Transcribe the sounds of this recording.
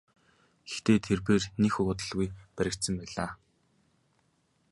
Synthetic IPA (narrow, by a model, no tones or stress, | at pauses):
ɡext̪eːt̪ʰerpeːrnixʊkʊt̪ə̆ɮɣujpæɾʲɪ̆k̚t̪sə̆mpæːɮaː